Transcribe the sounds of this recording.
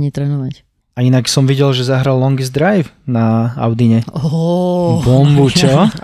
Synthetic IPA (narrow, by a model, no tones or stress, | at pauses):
ɲit̪ɾɛːnɔʋac | ainaksɔmʋiɟɛlʒɛzaɦɾalːɔŋɡizd̪ɾajfnaa̰ʊd̪iɲɛɔ | bɔmbucɔ